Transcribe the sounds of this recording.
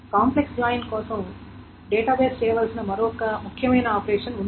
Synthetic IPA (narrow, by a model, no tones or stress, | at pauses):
kaːmplekslajnkɔːsɐm | ɖeːʈaːbeːst͡ʃɛːjɐʋɐːlsinɐmɐɾoːɔkɐmukʰːjɐmɐjnɐaːpɐɾeːʂɐnund̪